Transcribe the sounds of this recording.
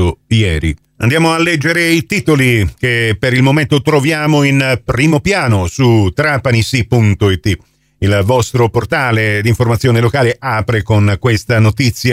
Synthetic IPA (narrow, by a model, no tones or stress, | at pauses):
ojɛːɾḭ | a̰nd̪jaːmoalːɛd͡ʒːeɾeit̪iːt̪olikepːeɾilmoment̪ot̪ɾovjaːmoinpɾiːmopjaːnosut̪ɾapanisipunt̪oit̪ːi | ilvɔst̪ɾoport̪aːled̪iɱformat̪sjoːnelokaːleʔaːpɾekonkwest̪anot̪it̪sːja